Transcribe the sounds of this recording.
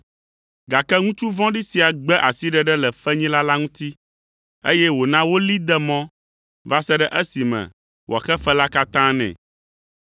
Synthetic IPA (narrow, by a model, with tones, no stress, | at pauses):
ɡa˨kɛ˦ŋũ˦t͡ʃu˦vɔ̃˦ɖi˦si˨a˨ɡ͡bɛ˦ʔa˨si˦ɖɛ˨ɖɛ˦lɛ˨fɛ˦ɲĩ˦la˦la˦ŋũ˦t̪i˦ | ḛ˦jɛ˦wo˨nã˦wo˦li˦d̪ɛ˦mɔ̃˦ | va˦sɛ˦ɖɛ˦ʔɛ˦si˨mɛ̰̃˨ | wo̰˨a˨xɛ˦fɛ˦la˦ka˦t̪ã˦nɛ̰̃˨